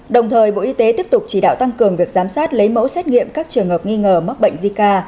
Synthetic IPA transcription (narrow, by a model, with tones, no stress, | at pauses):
ɗə˨˩wŋ͡mt̪ʰəː˨˩jɓo̰˧˨ʔi˧t̪e˨˦t̪i˦˥əp̚t̪ʊ˨˩k͡p̚t͡ɕi˨˩ɗa̰ː˧˨wt̪a˧ŋkɨ˨˩əŋvi˨˩ək̚zaː˨˦msaː˦˥t̚lə˨˦jmo̰˧˥sɛ˦˥t̚ŋḭ˧˨əmkaː˦˥k̚t͡ɕɨ˨˩əŋhəː˨˩p̚ŋi˧ŋəː˨˩ma˦˥k̚ɓə̰˧˨ŋzi˧kaː˧